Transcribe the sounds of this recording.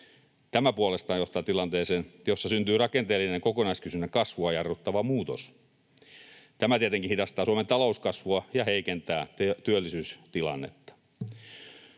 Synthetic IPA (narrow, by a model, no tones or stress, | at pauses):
t̪æmæpuolest̪ɑːnjoht̪ɑːt̪ilɑnt̪eːseːnjosːɑsynt̪yːrɑkent̪eːlːineŋkokonɑiskysynːækɑsʋuɑjɑrʋut̪ːɑʋɑmuːt̪os | t̪æmæt̪iet̪eŋkinhidɑst̪ɑːsuoment̪ɑlouskɑsʋuɑjɑheikent̪æːt̪t̪yølːisyːst̪ilɑ̰nːḛt̪ːɑ̥